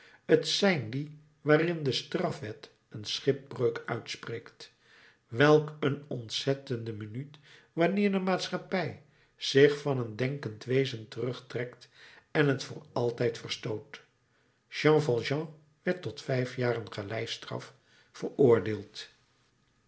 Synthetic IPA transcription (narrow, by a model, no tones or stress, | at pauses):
ətsɛjndi | ʋaːrɪndəstrɑfʋɛt | ənsχɪp̚brøɥkœ̰ɥtspreːkt | ʋɛlˠkənɔntsɛtəndəmənyt | ʋɑnɪːɹdəmaːtsχɑpɛj | z̥ɪχfɑnəndɛŋkəntʋejzəntərɵχtrɛktɛnɦətfʊ̰ːɹɑlˠtɛjtfərstowt | ʒɑ̃ːfɑlˠʒɑ̃ | ʋɛɹtɔtfɛjfjaːrənχəlɛjstrɑ̰f | fərʊːɹdeːlˠt